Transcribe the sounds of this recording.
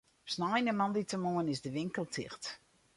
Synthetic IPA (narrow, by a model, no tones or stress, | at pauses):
snajnəmɑnditəmoənɪzdəʋɪŋkəlˠtʰɪ̰xt